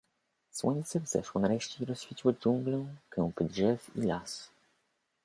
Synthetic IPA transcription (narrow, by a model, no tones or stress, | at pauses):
swɔɲt̪sɛvz̥ɛ̰ʂwɔnaɾɛɕt͡ɕeiɾɔsːfʲit͡ɕiwɘd͡ʑuŋɡlɛ̃kɛ̃w̃pɘdʐɛfḭlas